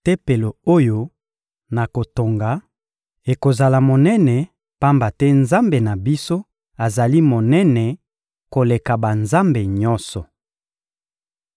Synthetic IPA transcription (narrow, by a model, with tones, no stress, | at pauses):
te˦pe˨lo˨o˦jo˦ | na˨ko˨to˨ŋɡa˨ | e˨ko˨za˨la˨mo˨nɛ˦nɛ˨ | pa˦mba˨tɛ˦nza˦mbe˨na˨bi˦so˦ | a˨za˨li˦mo˨nɛ˦nɛ˨ | ko˨le˨ka˨ba˨nza˦mbe˨ɲɔ˦nsɔ˨